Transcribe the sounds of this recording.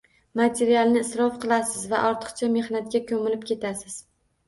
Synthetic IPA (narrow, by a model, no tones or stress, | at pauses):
mat̪ʰe̞ɾialˠnɪːsɾɒfqʰɨlˠasɪzvaʔɒɾt̪ʰɨ̥qt͡ʃʰame̞hnat̪̚ɡʲakʲʰɵmɪlɪp̚kʲʰe̞t̪ʰasɪz̥